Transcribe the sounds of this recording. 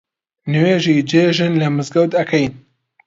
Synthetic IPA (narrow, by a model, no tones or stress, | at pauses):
nɨweːʒid͡ʒeːʒɨnlɐmɨzɡɐwt̪ɐkʰɐjn